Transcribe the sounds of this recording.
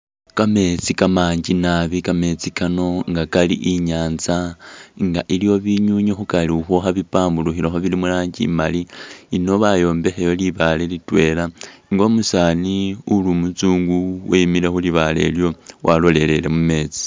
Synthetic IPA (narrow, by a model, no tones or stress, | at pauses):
kame̞t͡sikamaɲɟinaβikame̞t͡sikano̞ŋɡakalḭʔiɲaːnzaŋɡaʔiljo̞βiɲuɲoxukaliuxoxaβipaːmbuluxiloxoβilimulaːɲɟḭmaliːno̞βajo̞ːmbe̞xejo̞liβale̞litwe̞laŋɡomusaːniulumut͡suːŋɡuwemilexuliβale̞̰ljo̞wʔalo̞le̞le̞le̞mume̞t͡si̥